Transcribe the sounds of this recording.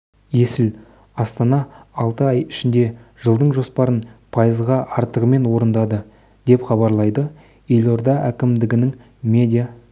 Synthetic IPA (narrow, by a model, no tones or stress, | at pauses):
je̞sɪl | ɑst̪ɑnɑɑlˠt̪əɑjɪʃɪnd̪e̞ʒ̥əlˠd̪əɴʒo̞spɑɾənpʰɑjəzʁɑʔɑɾt̪əʁəme̞nwo̞ɾənd̪ɑd̪ə | d̪̥e̞pχɑbɑɾlˠɑjd̪ə | e̞lʲo̞ɾd̪ɑʔækʲɪmd̪ɪɡʲɪnɪŋ | mʲe̞d̪ʲija